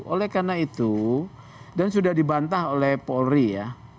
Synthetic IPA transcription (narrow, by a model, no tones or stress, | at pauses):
ʔolɛhkanait̪u | dansudahdibant̪aholɛhpolrija